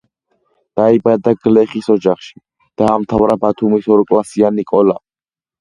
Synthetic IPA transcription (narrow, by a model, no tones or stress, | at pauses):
d̪̥aibad̪aɡlɛχisɔd͡ʒaχʃi̥ | d̪̥aːmt̪ʰavɾabat̪ʰumisɔɾkʼlasianikʼɔla